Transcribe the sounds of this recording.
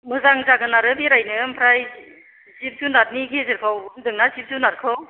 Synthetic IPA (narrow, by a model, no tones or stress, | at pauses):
mɯzaŋzaɡɯnaɾɯbiɾajnɯmpʰɾaj | zip̚zunat̚nikʰezɯɾkʰawbɯndɯŋnazip̚zunaɾkʰɯw